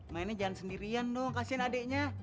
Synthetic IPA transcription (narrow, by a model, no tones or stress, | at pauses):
mainad͡ʒaansəndiɾiandɔŋkasianadɛʔɲa